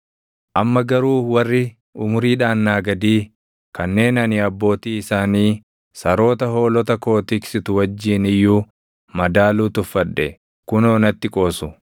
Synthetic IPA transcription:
ʔɐmːɐɡɐɾuːwɐrːɪ | ʊmʊɾiːᶑaːnːaːɡɐd̪iː | kɐnːe̞ːnɐnɪɐbːo̞ːt̪iːɪsaːniː | sɐɾo̞ːt̪ɐɦo̞ːlɔt̪ɐko̞ːt̪ɪksɪt̪ʊwɐd͡ʒːiːnɪjːuː | mɐd̪aːluːt̪ʊfːɐᶑːɛ | kʊno̞ːnɐt̪ːɪkʼo̞ːsʊ

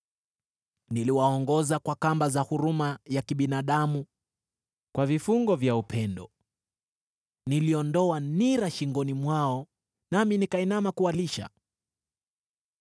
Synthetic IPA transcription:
niliwaɔŋɡɔzakwakambazahuɾumajakiɓinaːɗamu | kwavifuŋɡɔvjaupʰɛndɔ | niliɔndɔaniɾaʃiŋɡɔnimwaɔ | naminikainamakualiʃa̰

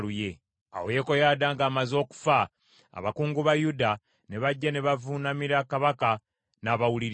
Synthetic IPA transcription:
luje̞ | a̰woje̞ko̞jaːdaːŋɡaːmazo̞ːku̥fa | a̰βakuːŋɡuβajuda | ne̞βaɟːane̞βavunamiɾakaβaka | naβawuliɾ

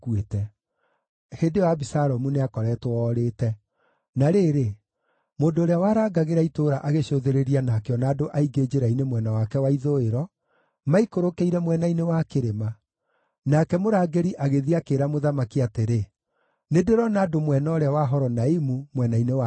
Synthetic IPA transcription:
kuetɛ | hedewabisaɾɔmuneakɔɾɛtwɔɾeːtɛ | naɾeːɾe | moːdoːɾeawaːɾaːɡaɣeɾaitoːɾaʔaɣeɕoðeɾeɾianakeɔnaːdoʔaiɡed͡ʒeɾainemwɛnawakɛwaiðoeɾɔ | maikoɾokeiɾɛmwɛnainewakeɾema | nakɛmoɾaːɡeɾiʔaɣeðiakeːɾamoðamakiateɾe | nedeɾɔnaːdomwɛnaɔɾeawaɦɔɾɔnaimumwɛnainewa

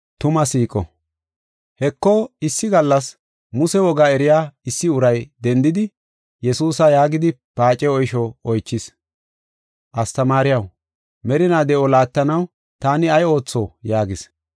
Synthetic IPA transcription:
t̪ʊmɐsiːkʼɔ̰ | hɛkːɔɪsːɪɡɐlːɐs | mʊsɛwɔɡaɛɾɪjaːɪsːɪʊɾɐjd̪ɛnd̪ɪd̪ɪ | jɛsuːsɐjaːɡɪd̪ɪpaːt͡ʃʼɛɔjʃɔɔjt͡ʃːɪs | ʔɐst̪ɐmaːɾɪjɐw | mɛɾɪnaːd̪ɛʔɔlaːt̪ːɐnɐw | t̪aːnɪɐjo̞ːt͡sːoːjaːɡɪs

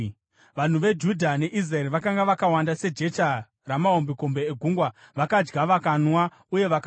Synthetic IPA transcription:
ʋan̤uʋe̞d͡ʒudʱane̞ʔizraeɾiʋakaŋɡaʋakawandase̞d͡ʒe̞ta | ramao̞mbiko̞mbe̞eɡʱuŋɡwaʋakad͡ʒɡaʋakanwa | uje̞ʋaka

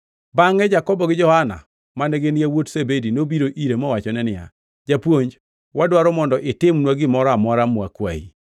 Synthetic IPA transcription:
baŋɛd͡ʒakɔbɔɡɪd͡ʒɔhana̰ | manɛɡeniawotsebedinobiɾoʔiɾemɔwat͡ʃɔnɛnɪa̰ | d͡ʒapwoɲd͡ʒ | wadwaɾɔmɔndɔʔɪtɪmnwaɡɪmɔɾɔamɔɾamwa̰kwa̰ḭ

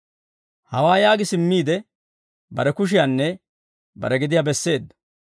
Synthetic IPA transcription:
hɐwaːjaːɡɪsɪmːiːd̪ɛ | bɐɾɛkʊʃ̬ɪjanːɛ | bɐ̰ɾɛɡɪd̪ɪjabɛsːe̞ːd̪ːɐ̥

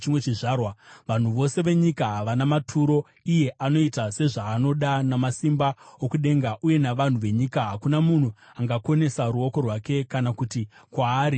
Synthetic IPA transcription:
t͡ʃimwe̞t͡ʃiʐaːrwaʋan̤uʋo̞se̞ʋe̞ɲikaɦaʋanamatʰuɾo̞ | ije̞ʔano̞itase̞ʐaːno̞ɗanamasimbaokuɗe̞ŋɡaʔuje̞naʋan̤uʋe̞ɲikaɦakunamun̤u | aŋɡako̞ne̞saɾuo̞ko̞rwake̞kanakutikwaːɾi

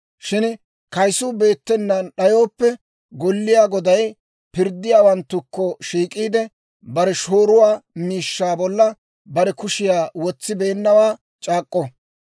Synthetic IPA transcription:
ʃɪn | kɐjsʊbe̞ːt̪ːɛnːɐɗɐjo̞ːpːɛ | ɡɔlːɪjaːɡɔd̪ɐj | pɪɾd̪ːɪjaːwɐnt̪ːʊkːɔʃiːkʼiːd̪ɛ | bɐɾɛʃo̞ːɾʊwaːmiːʃːaːbɔlːɐ | bɐɾɛkʊʃɪjaːwɔt͡sːɪbe̞ːnːɐwaː | t͡ʃʼaːkʼːɔ

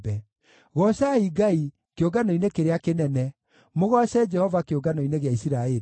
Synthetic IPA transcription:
bɛ | ɣɔɕaiɡai | keoɡanoinekeɾeakenɛnɛ | moɣɔɕɛd͡ʒɛhɔvakeoɡanoineɣeaisiɾaeɾi

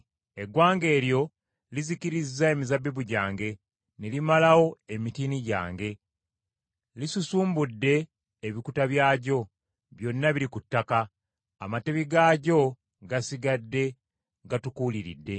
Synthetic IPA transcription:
e̞ɡwaːŋɡe̞ːljo̞ | liziciɾizːae̞mizabːiβuɟaːŋɡe̞ | ne̞limalawo̞e̞mitiniɟa̰ːŋɡe̞ | lisusuːmbudːe̞ː | βikutaβjaːɟo̞ | βjo̞nːaβiɾikutːakaː | mate̞βiɡaːɟo̞ | ɡasiɡadːe̞ | ɡatukuːliɾḭdːe̞

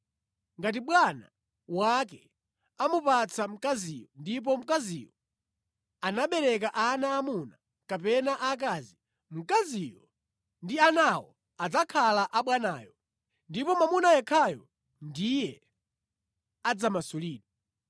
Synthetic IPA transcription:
ŋɡat̬iɓwana̰ | wakɛ | amupat͡sʰam̩kazijɔndip̬ɔm̩kazḭjɔ | anaɓɛɾɛk̬aʔanaːmuna | kapɛnaʔak̬aːzi | m̩kazijɔ | ndianawɔ̰ | ad͡zakʰalaʔaɓwanaːjɔ | ndipɔmamunajɛkʰajɔ | ndijɛ | ad͡zamasuliːɗɔ

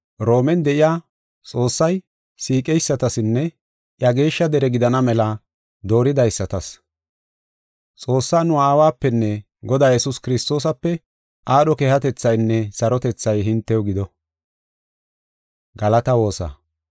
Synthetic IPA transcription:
ɾo̞ːmɛnd̪ɛʔɪjaː | t͡sʼo̞ːsːɐj | siːkʼɛjsːɐt̪ɐsɪnːɛ | ʔjɐɡe̞ːʃːɐd̪ɛɾɛɡɪd̪ɐnɐmɛlɐ | d̪o̞ːɾɪd̪ɐjsːɐt̪ɐs | t͡sʼo̞ːsːaːnʊaːwaːpːɛnːɛ | ɡɔd̪aːjɛsʊskɪɾɪst̪o̞ːs̬ɐpːɛ | ʔaːɗɔkeːhɐt̪ɛt͡sːɐjnːɛsɐɾɔt̪ɛt͡sːɐjɦɪnt̪ːɛwɡɪd̪ɔ | ɡɐlɐt̪ɐwo̞ːsa̰

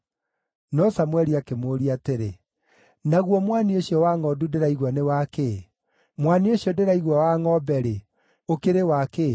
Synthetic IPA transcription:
nɔsamwɛɾiakemoːɾiateɾe | naɣwɔmwanioɕiɔwaŋɔdudeɾaiɣwanewake | mwanioɕɔdeɾaiɣwawaŋɔbɛɾe | okeɾewake

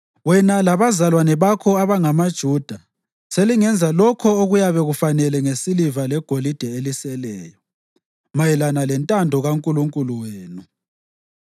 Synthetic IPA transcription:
wɛnalaβazalwanɛβakʰɔaβaŋamad̥ʒ̥ʱuːd̥ʱa | seliŋɛnd͡zʱalɔkʰɔoɣujaβɛɣufanɛlɛŋesilivalɛɡ̥ʱolid̥ʱɛelisɛlɛːjɔ | majilanalɛntʼandʱɔɣaŋkʼuluŋkʼuluweːnu

